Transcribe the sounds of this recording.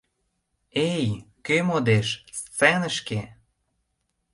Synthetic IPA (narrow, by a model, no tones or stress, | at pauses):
ejkømod̪eʃst͡senə̆ʃke